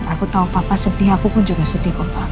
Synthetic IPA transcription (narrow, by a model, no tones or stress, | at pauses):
akut̪aupapasədiɦakupʊnd͡ʒuɡasəd̪ikʊrpa